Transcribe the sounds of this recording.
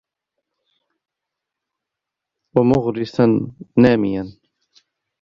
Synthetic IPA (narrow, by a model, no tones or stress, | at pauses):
wamʊɣɾɪsanːaːmɪjan